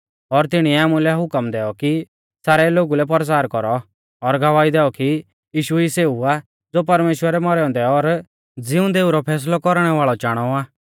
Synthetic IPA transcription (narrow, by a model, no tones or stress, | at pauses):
ɔɾt̪ɪɽ̃iɛaːmulɛɦʊkəmd̪ɛːɔki | saːɾɛloːɡulɛp̬ɔɾs̬aːɾkɔɾɔ | ɔɾɡʱɐʋaːid̪ɛːɔki | jiːʃuiseːua | d͡zoːpɐɾmeːʃwəɾɛmɔɾɔ̃nd̪ɛɔɾ | d͡zɪũd̪eːuɾɔpʰɛːs̬lɔkɔɾɽ̃ɛʋaːɭɔt͡ʃaːɽ̃ɔaː